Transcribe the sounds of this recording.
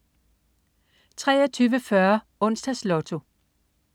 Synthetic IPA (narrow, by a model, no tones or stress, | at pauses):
t͡sʰʁɛ̰ːɐt͡sʰyːʋəfɶɐ | ɔ̽n̰sd̥æslɔt͡sʰo̝